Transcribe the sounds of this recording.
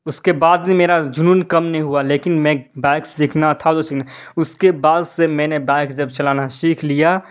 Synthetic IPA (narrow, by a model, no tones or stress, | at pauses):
ʊskebaːd̪nimeːɾad͡ʒʊnuːnkɐmnəɦĩɦualeːkɪnmɛ̃bɛːɪkssɪkʰnat̪ʰad̪osiknaʊskebaːd̪semɛ̃ːnebɛːksd͡ʒəbt͡ʃəlaːnaʃiːkʰlija